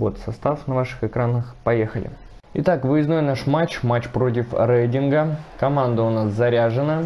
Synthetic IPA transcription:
vo̞t̪sɐst̪afnɐvaʂɨ̥xɨkɾanəxpɐjexəlʲɪ̰ | ɪt̪akvɨjɪznojnaʂmat͡ɕmat͡ɕpɾo̞t̬ʲɪfɾejtʲɪnɡəkɐmand̪əʊnaszɐɾʲaʐɨnə

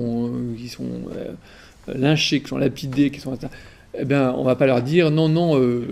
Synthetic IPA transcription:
ɔ̃kʲisɔ̰̃ | lɛ̃ʃeki̥sɔ̰̃lʔapid̪ekʲi̥sɔ̃et̪a | ebjɛ̃ɔ̰̃vapalœʁd̪iːʁnɔ̃nɔ̃ø

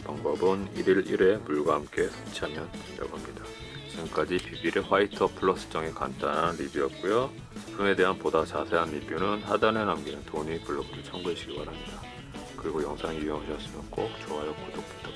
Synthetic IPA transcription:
paŋbʌbɯniɾiɾiɾe̞muɭɡwaɦamk͈e̞sʰet͡ɕʰiɦamjʌnjʌ̰ɡamɲida | t͡ɕiɡɯmk͈ad͡ʑipibiɾeɸwaitʰʌpʰɯɭʌs͈ɯ̥t͡ɕ͈ʌŋeka̰nt͈ananɾibiʌp̚k͈ujo | pʰume̞de̞ɦanpodat͡ɕasʰe̞ɦanːip͈junɯnhadane̞namɡinɯntoɲipuɭːʌbuɾɯɭt͡ɕʰʌŋɡuɦeɕʰiɡibaɾɦamɲida | kɯɾiɡojʌŋsʰaŋiujʌŋɦaɕʰʌs͈ɯmjʌnk͈ok̚t͡ɕ͈oɦajʌk͈odok̚t͈e̥t͈ʰa

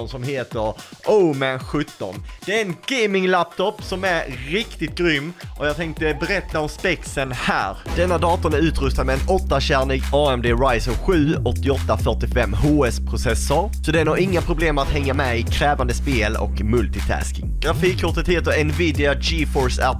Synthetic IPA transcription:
nsɔmɦeːt̪əɾʔoːmɛnɧɵt̪ːɔ̰nd̪̥ɛæɾɛnɡɛmɪŋlæp̚t̪ʰɔpsɔmæɾɾɪkt̪ɪt̪̚ɡɾʏmːʔɔjɑːt̪ʰɛŋk̚t̪əbɛɾɛt̪ːaɔmspɛksənhæ̰ːɾd̪ɛnːad̪ɑːt̪ɔnæɾʉ̟ːt̪ɾɵst̪ad̪mɛɛnɔt̪ːaɕæɾɳɪɡɑːɛmd̪eːɾajsɔnɧʉ̟ːɔt̪ːɪɔt̪ːafœʈɪfɛmːɦoːɛspʰɾʊsɛsʊɾsɔd̪ɛnaɾɪŋːapʰɾʊbleːmat̪hɛŋːamɛɪkʰɾɛːvand̪əspeːlɔ̰kmɵlt̪ɪt̪ʰæ̰ːskɪŋɡ̥ɾafiːkʰːʊʈət̪heːt̪əɾɛnviːd̪ɪad͡ʒiːfɔɾsæ̰

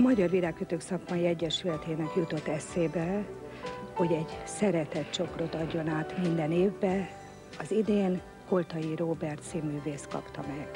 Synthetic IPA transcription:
mɒɟɒrʋilaːkːøt̪øːksɒkmɒjiɛɟːɛʃylɛt̪eːnɛkjut̪o̞t̪ːɛseːbɛ | ho̞ɟɛɟsɛɾɛt̪ɛt̪t͡ʃo̞kro̞t̪ɒɟːo̞naːt̪mind̪ɛneːvbɛ | ɒzid̪eːn | ko̞lt̪ɒjiroːbɛrt̪simyːveːst̪kɒ̰pt̪ɒmɛɡ̥

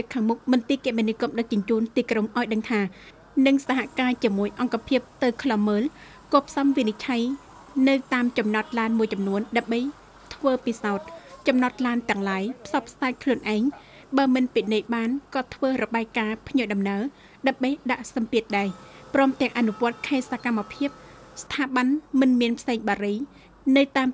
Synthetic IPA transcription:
ɨkʰaːŋmuk̚mɨnt̪iːkɛʔmenikomɗək̚t͡ɕʊɲt͡ɕuːnt̪iːkroŋʔaɔjɗəŋt̪ʰaː | nɨŋsaɦaʔkaːt͡ɕiəmuəjʔɑŋkapʰiəp̚t̪ɨwkʰlɑmːəːl | kɔːpʰsɑmʋinit͡ɕʰaj | nɨwt̪aːmt͡ɕɑmnɑt̪̚laːnmuəjt͡ɕɑmnuənɗaəmɓəj | t̪ʰʋəːpisaɔt̪̚t͡ɕɑmnɑt̪̚laːnt̪ɛ̆əŋlaːjpʰsɑpʰːsaɛc̚kʰluənʔaɛŋ | ɓaːmɨnpinɨjɓaːnkɑːt̪ʰʋəːrɔɓaɛjkaːpʰɲoəɗɑmnaə | ɗaəmɓəjɗaʔsɑmpiət̪̚ɗaɛprɔːmt̪ɛ̆əŋʔanuʋŏət̪̚kʰaɛt̪̚sakamːapʰiəp̚st̪ʰaːɓanmɨnmiənpʰseːŋɓaːɾɨj | nɨwt̪aːm

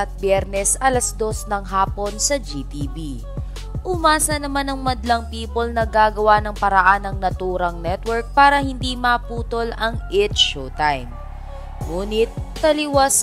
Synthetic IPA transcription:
ɐt̪̚bjɛɾnɛsɐlɐsd̪o̞snɐŋɦaːpo̞nsɐd͡ʒit̪ibi | ʔʊmaːsɐnɐmanɐŋmɐd̪lɐŋpiːpolnɐɡaːɡɐwanɐŋpɐɾɐʔanɐŋnɐt̪uːɾɐŋnɛt̪wɛɹk̚paːɾɐhɪnd̪imɐpuːt̪o̞lɐŋʔɛt̪t͡ʃot̪ajm | ŋuːnɪt̪̚pɐlɪwas

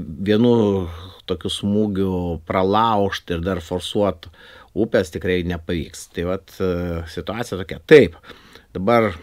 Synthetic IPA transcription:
ʋʲiɛnut̪oːkʲʊsmuːɡʲʊprɐlˠɐʊʃt̪ɪɾd̪ɐrfoːrsuɔt̪uːpʲɛst̪ʲɪkɾɐɪnʲɛpɐʋʲiːkst̪ɐɪʋɐt̪sʲɪt̪ʊɑːtsʲɪjɛt̪oːkʲɛt̪ɐɪp | d̪ɐbɐr

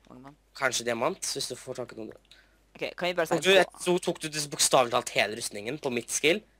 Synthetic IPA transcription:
kʰɑnʂəd̪ɛæmɑnt̪ʋɪsd̪ʉfɔʈʰɑkənuː | ukd̪ʉɛtut̪ʰuːk̚d̪ʉd̪ɪsəbʊkst̪ɑːʋlɪt̪ʰɑlt̪heːləɾʉst̪nɪŋənpʰɔmɪt̪ːskɪl

